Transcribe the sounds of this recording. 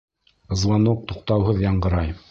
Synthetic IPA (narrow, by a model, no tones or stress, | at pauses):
ɤ̆zlˠɑnuq̚t̪uq̚t̪ɑwɦɤðjɑɴɢɤ̆ɾɑj